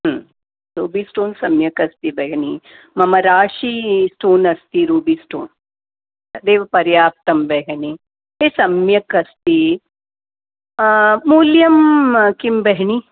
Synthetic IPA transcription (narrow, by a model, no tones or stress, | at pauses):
ɦ | ɾuːbisʈoːnsɐmjɐkɐst̪ibɐɡɐni | mɐmɐɾaːʃisʈoːnɐst̪iɾuːbiːsʈoːn | d̪eːʋɐpɐɾjaːp̚t̪ɐmbɐɦɐni | esɐmjɐkɐst̪i | uːljɐmkimbɐɦɳi